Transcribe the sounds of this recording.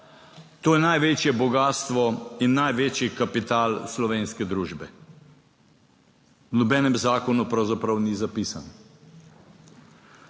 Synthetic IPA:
t̪oːjɛnajʋeːt͡ʃjɛbɔɡaːst̪ʋɔinːajʋeːt͡ʃjikapit̪aːlslɔʋeːnskɛd̪ɾuːʒbɛ | wnɔbɛːnɛmzaːkɔnupɾawzapɾawnizapiːsa̰n

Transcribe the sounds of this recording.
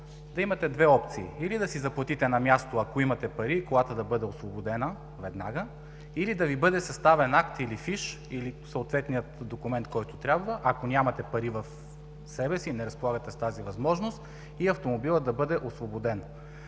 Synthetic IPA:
d̪ɐimɐt̪ɛd̪vɛɔp̚t̪siːilid̪ɐsizɐplˠɐt̪it̪ɛnɐmʲjast̪oɐkoimɐt̪ɛpɐɾikoɡat̪od̪ɐbɤd̪ɛosvobod̪ɛnə | vɛd̪na̰ɡə | ilid̪ɐvibɤd̪ɛsɐst̪avɛnakt̪ilifiʃ | ilisəot̪vɛt̪nijət̪d̪okʊmɛnt̪̚kɔjt̪ʊt̪ɾʲabvəʔɐkonʲamɐt̪ɛpɐɾivɐf | sɛbɛsinɛɾɐspolˠaɡət̪ɛst̪azivɐzmɔʒnost̪ | iɐft̪omobilˠəd̪ɐbɤd̪ɛʔosvobod̪ɛn

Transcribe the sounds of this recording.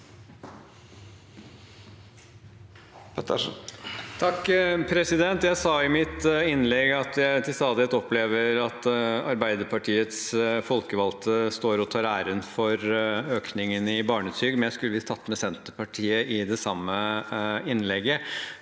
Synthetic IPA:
pt̪ | t̪ʰɑkːpʰɾɛsɪd̪ɛnt̪jæɪsɑːɪmɪt̪ɪnlɛɡɑt̪jæɪt̪ʰɪlst̪ɑːd̪ɪɛt̪ɔpleːʋəɾɑt̪ɑɾbæɪd̪əɾpʰɑʈʰiːət̪sfɔlkəʋɑlt̪ʰəst̪oːɾɔt̪ʰɑːɾæːɾənfɔɾøːknɪŋənɪbɑːɳəsyːɡmɛnjæɪskʉləʋɪt̪ʰɑt̪ːmɛsɛnt̪əpɑʈʰiːəʔɪd̪ɛsɑmːə | ɪnlɛɡːə

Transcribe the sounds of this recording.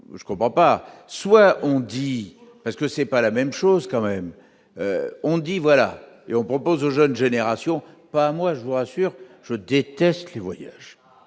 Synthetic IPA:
ʒəkɔ̃pχɑ̃paswaʔɔ̃d̪i | paʁsə̥kəsɛpalamɛmʃozkɑ̃mɛm | ø̰ɔ̃d̪ivwala̰ | eɔ̃pχɔpozoʒənʒeneʁasjɔ̃ | paːmwaʒəvuʁasyːʁ | ʒ̥əd̪et̪ɛst̪levwajaʒ

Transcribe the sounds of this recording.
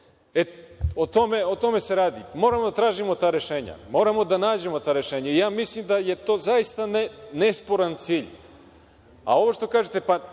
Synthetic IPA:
eot̪omeot̪o̞me̞se̞ɾaːd̪imo̞ːɾamod̪at̪ɾaːʒimo̞t̪aːɾe̞ʃeːɲa̰mo̞ːɾamo̞d̪anaːd͡ʑe̞mo̞t̪aːɾe̞ʃeːɲaijaːmislimd̪aje̞t̪oːzaist̪anenespoɾant̪siːʎ | a̰o̞ʋoʃt̪o̞kaːʒet̪epa

